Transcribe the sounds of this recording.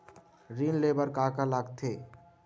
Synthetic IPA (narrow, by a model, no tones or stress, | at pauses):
ɾiːnleːbəɾkaːkalaːɡt̪ʰeː